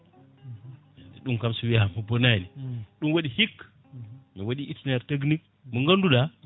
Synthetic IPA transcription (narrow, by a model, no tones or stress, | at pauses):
diɗuŋkamsuwijamubonaniɗunwaɗihik | miwaɗiitinaɾtɐɡnik̚ | muŋɡanduɗa